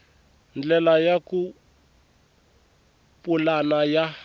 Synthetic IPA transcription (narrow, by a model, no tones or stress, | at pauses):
nd͡ɮɛlajaku | pʼulanaja